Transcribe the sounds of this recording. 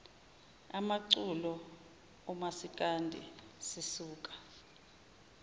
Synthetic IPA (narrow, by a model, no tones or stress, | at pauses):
amaǀulɔ | ɔmasik̬ʼandʱḭsisuːk̬ʼḁ